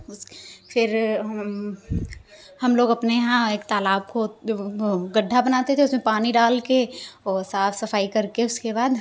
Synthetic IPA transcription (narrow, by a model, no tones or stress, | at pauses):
ʊsfʰɪɾ | hɐmloːɡɐpneɦãeːkt̪aːlaːb̚ko | ɡɐɖʱːabɐnaːt̪et̪ʰeʊsmẽpaːniɖaːlkeɔːɾsaːfʰsɐfaːikɐɾkeʊskebaːd̪